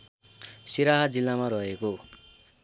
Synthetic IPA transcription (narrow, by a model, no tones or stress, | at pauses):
siɾaɦad͡zilːamaɾʌɦeko